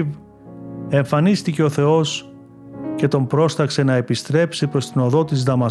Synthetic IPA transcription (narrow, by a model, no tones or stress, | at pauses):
v | e̞ɱfɐnist̪ice̞o̞θe̞o̞s | cet̪o̞mbɾo̞st̪ɐkse̞nɐe̞pist̪ɾe̞psipɾo̞st̪ino̞ðo̞t̪izðɐmɐ